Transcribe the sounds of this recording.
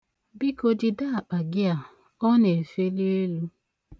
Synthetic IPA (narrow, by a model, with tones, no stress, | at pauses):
bi˦ko˦dɪ˦da˦a˨k͡pa˨ɡɪ˦a˨ | ɔ˦ne˨e˨fe˦li˦e˦lu˦